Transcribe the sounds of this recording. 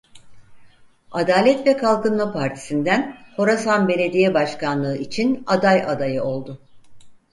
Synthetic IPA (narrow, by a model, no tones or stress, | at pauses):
ad̪aːlʲɛt̪vɛkʰalˠkɯnmˠapʰaɾt̪ʰi̥sind̪ænho̞ɾasanbe̞lʲe̞d̪ijɛbaʃkanlˠɯɯit͡ʃʰinad̪ajʔad̪ajɯo̞lˠd̪ʊ